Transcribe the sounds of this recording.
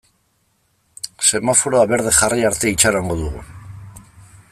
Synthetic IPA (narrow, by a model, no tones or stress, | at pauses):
se̞mafo̞ɾoaβe̞ɾð̞e̞xariaɾt̪e̞it͡ʃaɾaŋɡo̞ðuɣ̞ṵ